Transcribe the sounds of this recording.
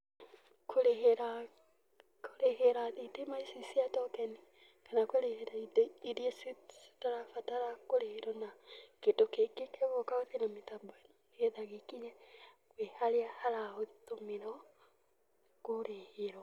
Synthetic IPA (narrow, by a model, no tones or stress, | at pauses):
kʰoɾeɦeɾa | kʰoɾeheɾaðitemaisisiatɔkɛni | kanakweɾeheɾaitiɾiesise̥taɾafataɾakoɾeheɾɔnaketokekekeβɔkaotenametabɔn | eðaɣekiɲɛ | kwehaɾeahaɾaotomiɾɔ | koɾeheɾɔ